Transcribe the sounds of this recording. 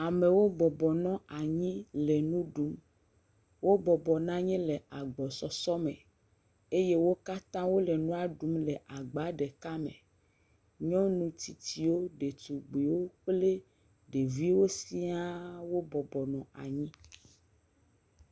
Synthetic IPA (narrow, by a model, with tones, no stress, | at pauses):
a˨mẽ˨wo˦bɔ˨bɔ˨nɔ̃˦a˨ɲĩ˦lɛ˨nũ˦ɖu˦m | wo˦bɔ˨bɔ˨nã˦ɲɛ̃˦lɛ˨a˨ɡ͡bɔ˨sɔ˨sɔ˦mḛ̃˨ | e˦je˦wo˦ka˦t̪ã˦wo˦lɛ˨nũ˦a˨ɖu˦mlɛ˨ʔa˨ɡ͡ba˨˦ɖɛ˨ka˦mḛ̃˨ | ɲɔ̃˦nũ˦t̪i˨t̪i˨wo˦ɖe˨t̪u˨ɡ͡be˨wo˦k͡ple˦ | ɖe˨vi˦wo˦si˦a˦wo˦bɔ˨bɔ˨nɔ̃˨a̰˨ɲĩ˦